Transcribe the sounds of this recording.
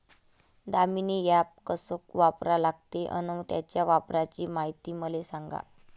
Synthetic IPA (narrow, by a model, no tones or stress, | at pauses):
d̪aminijap̚kəsokʋapɾalaɡ̚t̪eʔə̰nəwt̪jat͡ɕjaʋapɾat͡ɕiːmaɦit̪iːməlesaŋɡa̰